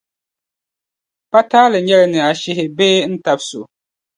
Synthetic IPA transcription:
pa˦taː˦lɨ˨ɲɛ˦lɪ˨nɨ˨a˨ʃɪ˦ɦɪ˨beː˦n̩˦ta˨˦bso˨

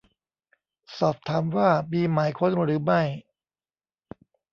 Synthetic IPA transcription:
sɔː˨˩p̚t̪ʰaː˩˦mwaː˥˩miː˧maː˩˦jkʰo˧nɾɯː˩˦ma˥˩j

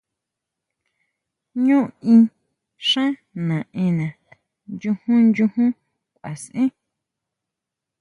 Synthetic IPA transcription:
ɲũ˦ĩ˧ | ʂã˦nã˨ʔẽ˧nã˨ | njũ˧hũ˦nd͡ʒũ˧hũ˦ | kʷa˨sʔĩ˦

